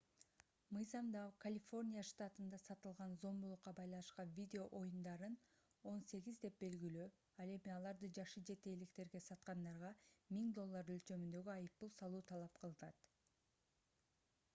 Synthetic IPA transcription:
mɯjzɑmd̪ɑkʰalʲifo̞rnʲijaʃt̪at̪ɯnd̪ɑsɑt̪ɯlˠʁɑnzo̞mbulˠuqːɑbɑjlˠɑnɯʃqɑnvʲid̪ʲeo̞ʔo̞jumd̪ɑɾɯn | o̞nse̞ɡʲizd̪e̞p̚be̞lɡyly | ɑlˠe̞miɑlˠɑɾd̪ɯd͡ʒɑχʃɯd͡ʒe̞t̪e̞ːlikt̪e̞ɾɡe̞sɑt̪qɑnd̪ɑɾʁɑmiŋd̪o̞lˠːɑɾølt͡ʃø̞mynd̪ø̞ɡyɑjɯp̚t̪ulˠsɑlˠuːt̪ʰɑlˠɑp̚qʰɯlˠɯnɑt̪

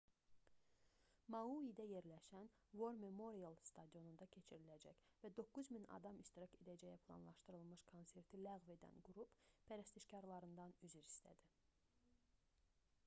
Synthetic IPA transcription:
mɑuid̪æje̞ɾlæʃæn | vo̞ɾme̞mo̞ɾialˠst̪ʰɑd̪ijo̞nund̪ɑcʰe̞t͡ʃʰiɾilæd͡ʒæçvæd̪o̞kːuzminɑ̰d̪ɑmiʃt̪iɾɑce̞d̪æd͡ʒæjæpʰlˠɑ̰nlˠɑʃt̪ɯɾɯlˠmɯʃkʰo̞nse̞ɾt̪ʰilæɣve̞d̪æ̰nɡuɾuppʰæɾæst̪iʃcɑɾlˠɑɾɯnd̪ɑnyzyɾist̪ʰæ̰d̪i

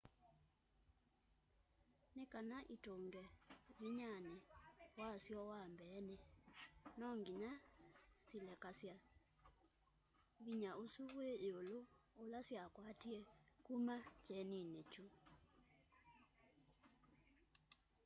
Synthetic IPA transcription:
nekanaʔitoŋɡɛβiɲanɛwasjɔwambɛnɛ | nɔŋɡinasilɛkasja | βiɲaosuβweːoloolasjakwatiɛkumat͡ʃɛninet͡ʃu

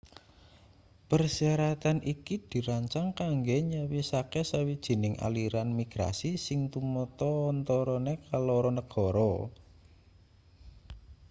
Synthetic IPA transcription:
pərsiaɾat̪anʔikid̪̥i̤ɾaɲt͡ʃaŋkaŋɡeɲəwisakesawid̥ʒ̥i̤nɪŋʔa̰liɾanmiɡ̥ɾa̰sisɪŋt̪umɔt̪ɔnt̪ɔɾɔnekalɔɾɔnəɡ̥ɔ̤ɾɔ

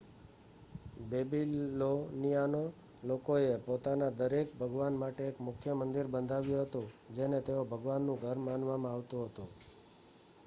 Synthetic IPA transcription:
bebillonijano | lokoepot̪anad̪əɾekbʱəɡʋanmaʈeːkmʊkʰjəmənd̪iɾbənd̪ʱaʋjũɦət̪ũd͡ʒenet̪eobʱəɡʋanːũɡʱəɾmanʋamãaʋt̪ũɦət̪ũ

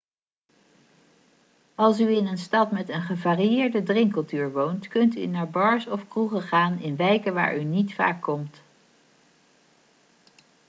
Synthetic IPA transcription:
ɑlˠs̬yɪnənstɑtmɛtənχəvaːrijɪːɹdədrɪŋkɵlˠtyːɹʋowntkɵnty̰naːɹbɑɹsɔfkruχəχaːnɪnʋɛjkəʋa̰ːɹʔynitfa̰ːkːɔmt

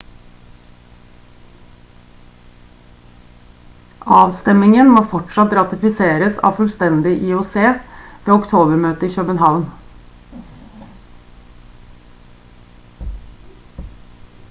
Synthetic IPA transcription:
ʔɑːʋst̪ɛmɪŋənmoːfɔʈʂɑt̪ɾɑt̪ɪfɪseːɾəsɑ̰ːʋfʉlst̪ɛnd̪ɪʔiʊseːʋeːʊkt̪ʰoːbəɾmøːt̪əiːçøːbənhɑʋn

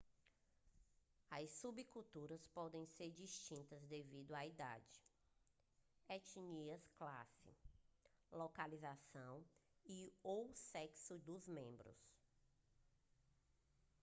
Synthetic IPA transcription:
ɐssubikut̪uɾɐspɔd̪ẽj̃seɾd͡ʒiʃt͡ʃĩnt̪ɐzd̪evid̪ʊaid̪a̰d͡ʒɪ | ɛt͡ʃiɲiɐskla̰sɪ̰ | lokalizasɐ̃w̃iowsɛksʊd̪ʊzmẽmbɾʊ̰s

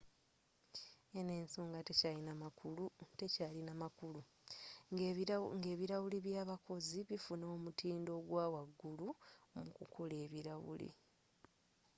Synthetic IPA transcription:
ene̞ːnso̞ːŋɡate̞calinamaulute̞caːlinamakulu | ŋɡe̞ːβiɾawuliβjaːβako̞ziβifunoːmutʰiːndo̞ːɡwaːwaɡːulumukukʰole̞ːβiɾawṵlḭ

